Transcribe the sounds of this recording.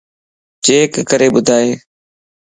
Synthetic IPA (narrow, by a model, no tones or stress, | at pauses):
t͡ʃeːkːəɾeːɓʊd̪ʱaːeː